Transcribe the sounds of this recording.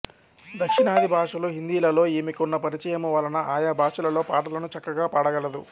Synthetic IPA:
d̪ɐkʂinaːd̪ʱibʱaːʂɐloːɦind̪iːlɐlo̞ːeːmikunːɐpɐɾit͡ʃɐjɐmuʋaːlɐnɐʔaːjaːbʱaːʂɐlɐlo̞ːpaːʈɐlɐnut͡ʃɐkːɐɡaːpaːɽɐɡɐlɐd̪u

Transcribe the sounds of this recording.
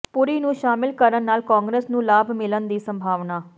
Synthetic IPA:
pʊɾiːnũːʃaːmɪlkəɾənːaːlkãːŋɡɾeːsnũːlaːbmɪlənd̪iːsəmbʱaːʋnaː

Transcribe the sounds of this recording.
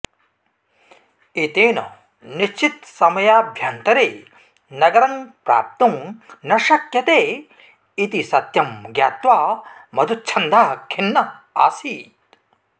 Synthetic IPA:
it̪eːnɐ | niʃt͡ʃit̪sɐmɐjaːbʱjaːnt̪ɐɾeː | nɐɡɐɾɐŋpɾa̰ːp̚t̪uŋnɐʃɐkjɐt̪eː | it̪isɐt̪jɐmɡjaːt̪ʋaːmɐd̪ʱut͡ʃʰɐnd̪ʱaːɐkʰinːɐa̰ːsiːtt̪̚

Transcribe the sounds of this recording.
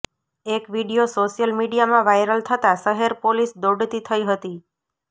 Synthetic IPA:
ekʋiɽiosoʃijəlmiɖijamãʋajɾəlt̪ʰət̪asəɦeɾpolisd̪oɖt̪it̪ʰəiɦət̪i

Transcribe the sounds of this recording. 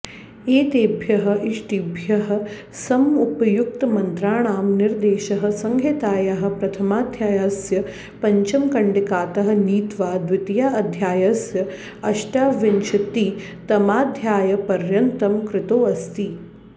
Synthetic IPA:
eːt̪eːbʱjɐɦɐ̆ʔiʂʈibʱjɐɦɐ̆ | sɐmupɐjuk̚t̪ɐmɐnt̪ɾaːɳ̃aːmniɾd̪eːʃɐɦɐ̆sɐŋɡʱet̪aːjɐɦɐ̆pɾɐt̪ʰɐmaːd̪ʱjaːjɐsjɐ | pɐɲt͡ʃɐmkɐɳɖikaːt̪ɐɦɐ̆niːt̪ʋaːd̪ʋɪt̪ijaːɐd̪ʱjaːjɐsjɐ | ɐʃʈjaːʋɪnt͡ʃʰɐt̪iː | t̪ɐmaːd̪ʱjaːjɐpɐɾjɐnt̪ɐmkɾɪt̪oːɐst̪iː

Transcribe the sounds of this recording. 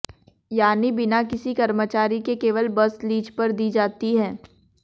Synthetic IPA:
jaːnibɪnakɪsikɐɾmət͡ʃaːɾikekeːʋəlbɐsliːd͡ʒpɐɾd̪iːd͡ʒaːt̪iɦɛː

